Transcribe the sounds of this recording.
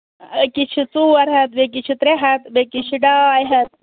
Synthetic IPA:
kit͡ʃʰit͡suɐɾɦɐt̪̚bek̬it͡ʃʰut̪ɾeɦɐt̪bekit͡ʃʰiɖaːjɦɐt̪̚

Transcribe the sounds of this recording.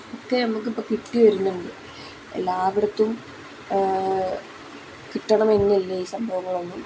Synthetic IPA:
okːe̞nɐmuk̬ːipːɐkiʈːɨʋɐɾunːɐindḛ | laːʋiɽɐt̪ːum | kiʈːɐɳɐme̞nːilːeiːsɐmbʱɐʋɐŋːɐɭonːum

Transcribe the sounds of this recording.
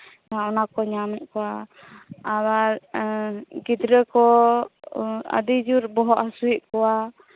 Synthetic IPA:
aɔnakɔɲamɛʔ̚kɔwaː | waɾ | ɡid̪ɾəkɔ | ə̰d̪id͡ʒuɾbɔɦɔʔasuiʔ̚kɔwa

